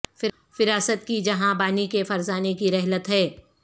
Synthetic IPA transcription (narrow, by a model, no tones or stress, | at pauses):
fɪ | fɪɾaːsət̪̚kid͡ʒɐɦãbaːnikefɐɾzaːnekiɾɛɦlət̪ɦɛː